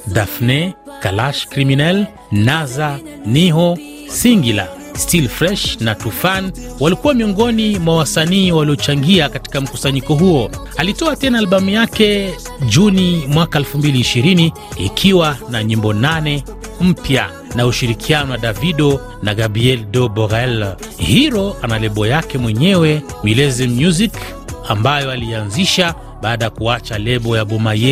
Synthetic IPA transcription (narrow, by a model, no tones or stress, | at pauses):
dafnɛkalaʃkɾiminɛl | nazaniɦɔ | siŋɡila̰ | stilfɾɛʃnatufanwalikuwamiɔŋɡɔnimwawasaniːwaliɔt͡ʃaŋɡiakati̥kam̩ku̥saɲikɔɦuɔ | alitɔatɛnaːlɓamujakɛ | d͡ʒunimwakaɛlfumbiliːʃiɾini | ḭkʰiwanaɲimbɔnanɛ | m̩pja̰ | nauʃiɾikʰianɔwaɗaviɗɔ | naɣabɾiɛldɔbɔɣaɛl | hiɾɔʔanalɛɓɔjakɛmwɛɲɛwɛmilɛzim̩juzik | ambajɔalianziʃa | ɓaːɗajakuat͡ʃalɛɓɔjaɓɔmajɛ